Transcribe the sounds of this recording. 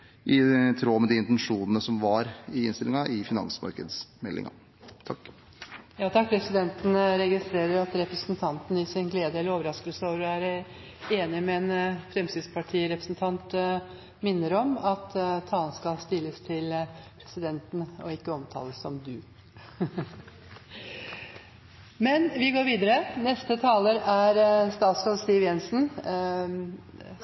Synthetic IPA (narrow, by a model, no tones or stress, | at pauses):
ʔɪt̪ʰɾoːmɛd̪ɪɪnt̪ɛnʂuːnənəsɔmʋɑɾɪɪnst̪ɪlɪŋɑʔɪfɪnɑ̰nsmɑ̰ɾkəd̪smɛlːɪ̰ŋɑ̰ | t̪ʰɑkː | jɑːt̪ʰɑk̚pʰɾɛsɪd̪ɛnt̪n̩ɾɛɡɪst̪ɾeːɾəɾɑt̪ɾɛpɾəsnt̪ʰɑnt̪n̩ɪsɪnɡleːd̪əɛlːəɾoːʋəɾɑskəlsoːʋəɾɔæɾæ | eːnɪmɛːnfɾɛmsɪd̪spʰɑʈʰiːɾɛpɾəsnt̪ʰɑnt̪ | mɪnːəɾɔmɑt̪t̪ʰːɑːlən̩skɑlst̪ɪlːəst̪ʰɪlpʰɾɛsɪd̪ɛnt̪n̩ɔɪkːəɔmt̪ʰɑ̰ːləsːɔmd̪ʉ | mɛnʋɪɡoːɾʋiːd̪əɾənɛst̪ət̪ʰɑːləɾæɾst̪ɑːt̪sɾɑlst̪iːʋjɛnsn̩